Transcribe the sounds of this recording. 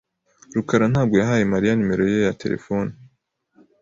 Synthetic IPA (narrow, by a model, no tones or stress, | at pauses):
ɾukaɾanhaːb̚ɡo̞jaɦaːjemaɾijanime̞ɾo̞jejatʰe̞̰ɾḛfo̞ːni